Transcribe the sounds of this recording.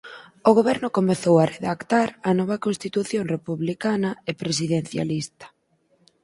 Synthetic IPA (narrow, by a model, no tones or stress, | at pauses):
oɣoβɛɾnʊkomeθowareðakt̪aɾɐnɔβɐkonst̪it̪uθjonrepuβlikanɐepɾesiðen̟θja̰list̪ɐ̥